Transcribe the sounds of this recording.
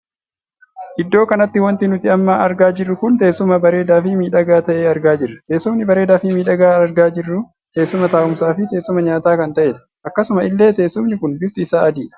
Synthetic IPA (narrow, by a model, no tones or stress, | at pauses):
ʔɪd̪ːo̞ːkɐnɐt̪ːɪwɐnt̪ɪnʊt̪ɪɐmːaːɐɾɡaːd͡ʒɪrːʊkʊnt̪e̞ːsːʊmɐbɐɾe̞ːd̪aːfɪmiːᶑɐɡaːt̪ɐʔe̞ːɐɾɡaːd͡ʒɪrːɐt̪e̞ːsːʊmnɪbɐɾe̞ːd̪aːfɪmiːᶑɐɡaːɐɾɡaːd͡ʒɪrːʊ | t̪e̞ːsːʊmɐt̪aːʔʊmsaːfɪt̪e̞ːsːʊmɐɲaːt̪aːkɐnt̪ɐʔeːd̪ɐ̥ | ʔɐkːɐsʊmɐɪlːe̞ːt̪e̞ːsːʊmnɪkʊnbɪft̪ɪɪsaːɐd̪iːᶑɐ̥